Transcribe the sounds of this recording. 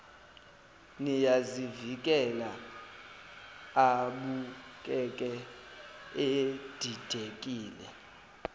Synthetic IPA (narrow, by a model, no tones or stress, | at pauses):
nijazivik̬ʼɛla | aɓukʼɛkʼɛ | ed̥ʱid̥ʱekʼiːlɛ